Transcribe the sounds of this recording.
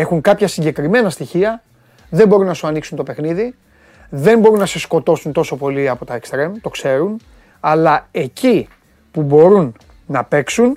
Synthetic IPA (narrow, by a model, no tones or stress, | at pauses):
e̞xuŋkɐpçɐsiɲɟe̞kɾime̞nɐst̪içiɐ | ðe̞mbo̞ɾunːɐsuɐniksunt̪o̞pe̞xniði | ðe̞mbo̞ɾunːɐse̞sko̞t̪o̞sunt̪o̞so̞po̞liɐpo̞t̪ɐekst̪ɾe̞mt̪o̞kse̞ɾun | ɐlɐe̞ci | pubo̞ɾunː | ɐpe̞ksun